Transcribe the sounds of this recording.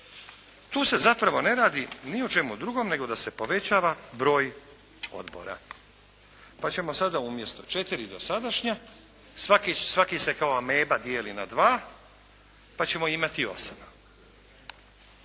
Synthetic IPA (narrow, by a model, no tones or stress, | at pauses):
t̪uːse̞zapɾaʋo̞ne̞ɾaːd̪iniot͡ʃe̞mud̪ɾuɡo̞mne̞ɡo̞d̪ase̞po̞ʋe̞t͡ɕaːʋabɾo̞ːj | o̞̰d̪bo̞̰ɾa̰ | pat͡ɕe̞mo̞sad̪aumje̞st̪o̞t͡ʃe̞t̪iɾid̪o̞sad̪aʃɲa | sakisʋakise̞kaoame̞ːbad̪jeːlinad̪ʋaː | pat͡ɕe̞mo̞imat̪io̞̰sana